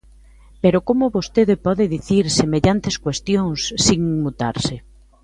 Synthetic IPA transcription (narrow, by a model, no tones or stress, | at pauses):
peɾokomʊβost̪eðɪpɔðɪðiθiɾsemeʎant̪eskwest̪joŋsːiŋmut̪a̰ɾsɪ